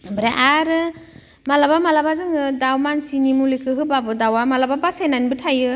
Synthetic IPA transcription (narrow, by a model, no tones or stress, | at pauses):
bɾaʔaɾɯ | malabamalabazɯŋɯdawmansinimulikʰɯɦɯbabɯdawamalababasenanbɯtʰajɯ